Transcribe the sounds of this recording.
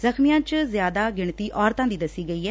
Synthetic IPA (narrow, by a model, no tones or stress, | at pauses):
zəxmijãːt͡ʃzjaːd̪aːɡɪɳt̪iːʔɔːɾt̪ãːd̪iːd̪əsːiːɡəiːɦɛː